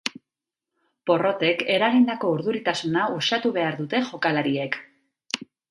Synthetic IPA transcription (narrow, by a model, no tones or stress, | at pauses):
po̞ro̞t̪e̞ke̞ɾaɣind̪ako̞uɾðuɾit̪asunausat̪uβ̞e̞aɾðut̪e̞ʝo̞kalaɾie̞k